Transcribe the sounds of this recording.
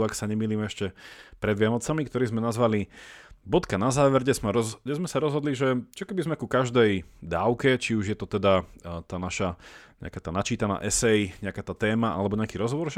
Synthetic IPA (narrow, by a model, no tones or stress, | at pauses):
aksaɲɛmiːliːmɛɛʃcɛpɾɛd̪ʋɪanɔt͡samikt̪ɔɾiːzmɛnazʋalibɔt̪kanazaːʋɛɾɛzmaɾɔɲɛzmɛsaɾɔzɦɔd̪liʒɛt͡ʃɔkɛbizmɛkukaʒd̪ɛjd̪aːʊkɛt͡ʃiuʒjɛt̪ɔt̪ɛd̪at̪aːnaʃaɲɛ̰a̰kaːt̪aːnat͡ʃiːt̪ana̰ːʔɛsɛjɲɛakaːt̪aːt̪ɛːmaʔa̰lɛbɔɲɛakiːɾɔzɦɔʋɔɾʒ